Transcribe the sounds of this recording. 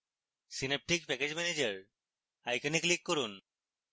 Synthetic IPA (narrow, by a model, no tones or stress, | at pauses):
sinep̚ʈikpɛked͡ʑmɛned͡ʑəɾ | ajkɔniklikːoɾun